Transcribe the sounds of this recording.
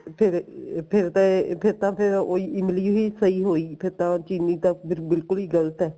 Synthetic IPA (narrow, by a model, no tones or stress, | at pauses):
pʰɪɾpʰɪɾt̪ãpʰɪɾt̪ãːpʰɪɾoːiːɪmliːiːsəiːɦoːiːpʰɪɾt̪ãːt͡ʃiːniːt̪abɪbɪlkʊliːɡələt̪ɛː